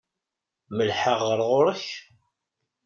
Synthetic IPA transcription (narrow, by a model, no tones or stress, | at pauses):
məlħəʁːəɾˤʁʊɾˤəç